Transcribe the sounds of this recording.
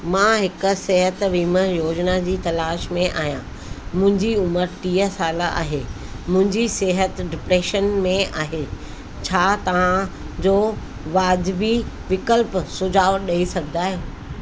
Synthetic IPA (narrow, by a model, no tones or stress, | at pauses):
mãɦɪkʊ̆seɦət̪ʋiːməjoːd͡ʑnad͡ʑiːt̪ɐlaːʃmẽʔa̰ːɦijã | mʊ̃ɦɪ̃ɲd͡ʑiʊməɾʈiːəsaːlaʔa̰ːɦeː | mʊ̃ɦɪ̃ɲd͡ʑiseɦət̪ɖɪpɾeːʃənmẽaːɦeː | t͡ɕʰaːt̪ɐʋ̤ã | d͡ʑoː | ʋaːdbi | ʋɪkəlpsʊd͡ʑʱaːʊɗɐisɐɡʱɪd̪aːɦũː